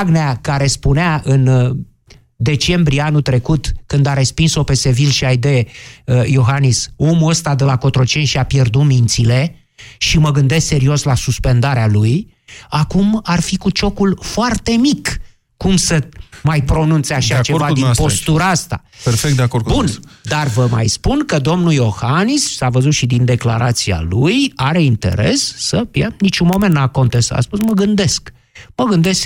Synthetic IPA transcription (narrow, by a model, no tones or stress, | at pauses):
aɡneakaɾe̞spuneaɨn | d̪e̞t͡ʃe̞mbɾieanut̪ɾe̞kut̪kɨnd̪aɾe̞spinso̞pe̞se̞vilʃiajd̪e | joɦanisomuəst̪ad̪əlako̞t̪ɾo̞t͡ʃe̞nʲʃiapje̞rd̪umint̪sile̞ | ʃiməɡɨnd̪e̞skse̞ɾio̞slasuspe̞nd̪aɾealuj | akumarfikut͡ʃo̞kulfoart̪e̞mikː | umsəmajpɾo̞nunt̪seaʃat͡ʃe̞vad̪inpo̞st̪uɾaast̪a̰perfekt̪d̪eakorkbund̪arvəma̰jspunkəd̪o̞mnujo̞xanissavəzut̪ʃid̪ind̪e̞kla̰ɾat̪sia̰lujaɾe̞int̪e̞̰ɾe̞sːəpjanit͡ʃunmo̞ment̪ːako̞nt̪esa̰spusməɡɨnd̪e̞sk | məɡɨnd̪e̞sk